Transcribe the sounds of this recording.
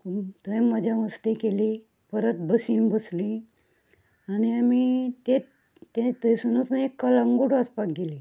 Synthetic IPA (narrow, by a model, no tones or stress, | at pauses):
kut̪əjməd͡ʑʱaʋəst̪ekeli | pəɾət̪̚bəsiːnbəsli | aniamit̪e | t̪et̪əjsunut̪neekːalaŋɡoɽaspak̚ɡeli